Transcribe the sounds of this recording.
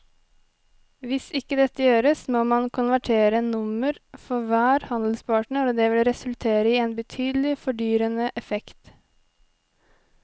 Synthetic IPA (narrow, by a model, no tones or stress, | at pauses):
ʋɪsɪkːəd̪ɛt̪ːəjøːɾəsmoːmɑnkʰʊnʋæʈʰeːɾənʊməɾfɔɾʋæːɾhɑnd̪l̩spʰɑːʈɳəɾɔːd̪eːʋɪlɾɛsʉlt̪ʰeːɾəiːeːnbət̪ʰyːd̪lɪfɔɖyːɾənəʔɛfɛkt̪